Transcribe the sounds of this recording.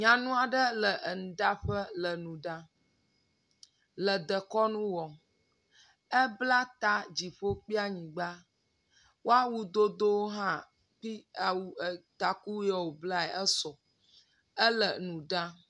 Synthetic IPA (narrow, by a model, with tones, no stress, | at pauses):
ɲã˨nũ˦a˨ɖə˦lə˨ʔn̩˨ɖa˦ɸə˦lə˨nũ˨ɖã˦ | lə˨d̪ə˨kɔ˦nũ˦wɔ˨ | ə˦bla˦t̪a˦d͡ʑi˨ɸo˦k͡pi˦a˦ɲĩ˨ɡ͡ba˦ | wo˦a˦wu˦d̪o˦d̪o˦wo˦ɦã˦ | ɸi˦a˨wu˦ə˨t̪a˨ku˦jɔ˦wo˨bla˦ɛ˨ə˦sɔ˨ | ə˦lə˨nũ˨ɖã˦